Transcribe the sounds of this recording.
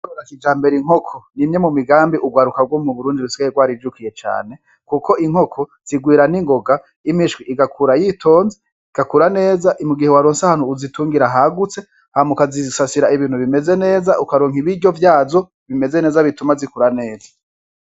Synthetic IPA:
ɾakid͡ʒaːmbe̞ɾiŋ̥o̞kʰonimɲe̞mumiɡaːmbiʔuɡwaːɾukaɡwomuβuɾuːndiɾusiɡajeɡwaːɾid͡ʒukije̞t͡ʃa̰ːne̞ | kuko̞ʔiŋ̥hokʰo̞z̥iɡwiːɾaniŋɡo̞ɡa | imiʃɡwiʔiɡakʰuɾajitʰo̞ːnze | iɡ̥akuɾane̞ːzaʔimuɡihewaɾoːnsaahaːn̥huːzituːŋɡiɾaɦaɡut͡se̞ | hamukazisasiɾaiβiːn̥huβime̞ze̞ne̞ːzaʔukaɾoːŋiβiɾɟo̞vjaːzo̞ | βime̞ze̞ne̞ːzaβitumazikuɾane̞ːza

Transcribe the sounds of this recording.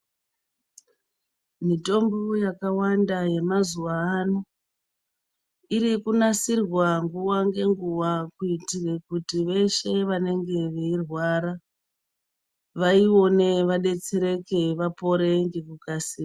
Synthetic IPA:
mito̞mbujakawandaje̞mazuaːno | iɾikunasirwaŋɡuwaŋɡe̞ŋɡuwakuitire̞kutiʋe̞ʃe̞ʋane̞ŋɡe̞ʋe̞irwaɾa | ʋaio̞ne̞ʋaɗe̞t͡se̞ɾe̞ke̞ʋapo̞ɾe̞ŋɡe̞kukasiː

